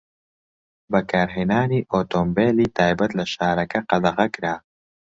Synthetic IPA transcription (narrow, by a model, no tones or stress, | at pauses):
bɐkʰaːɾɦeːnaːniːʔoːt̪ombeːliːt̪ʰaːjbɐt̪lɐʃaːɾɐkɐqɐd̪ɐʁɐkɾaː